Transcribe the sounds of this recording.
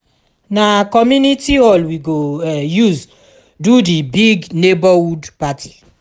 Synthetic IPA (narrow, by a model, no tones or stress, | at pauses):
nakɔmjunitiɔlwiɡojuz | dudibiɡnebawudpatʰi̥